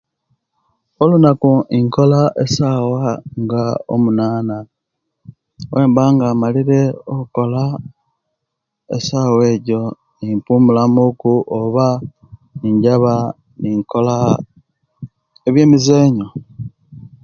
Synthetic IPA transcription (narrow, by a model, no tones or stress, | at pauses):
olunakuiŋko̞laʔesaːwaŋɡao̰munaːna | wʔe̞ːmbaŋɡaːmaliɾe̞oko̞la | ḛsaːwe̞ːɟo̞ | impuːmulamukuʔoβa | niɲɟaβa | niŋko̞la | e̞βje̞ːmize̞ːɲo